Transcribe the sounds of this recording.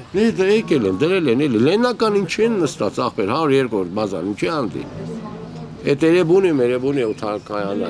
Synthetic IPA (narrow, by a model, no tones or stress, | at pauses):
nɛd̪əɛkɛlɛmd̪əɾɛlɛnɛlɛlɛnɑkɑnint͡ʃʰɛnːəst̪ɑt͡sɑχpɛɾhɑɾuɾjɛɾkɔuɾt̪̚bɑzɑ̰nint͡ʃʰɛɑnd̪ḭ | ɛt̪ɛɾɛbunimɛɾɛbuniut̪ʰɑkɑjɑnɑ̰